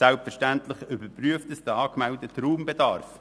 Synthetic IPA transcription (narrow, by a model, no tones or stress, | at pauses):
sælpfəɾʃtænt̪lɪχʏbəɾpɾyəftəsd̥̪əɑːkmɛldət̪ɾuːmbɛdɑ̰ːɾf